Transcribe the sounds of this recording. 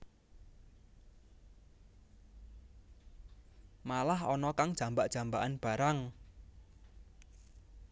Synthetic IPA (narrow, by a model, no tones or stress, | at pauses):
malahɔnɔkaŋd̥ʒ̥a̤mbaʔʒ̥a̤mbaʔanb̥a̤ɾaŋ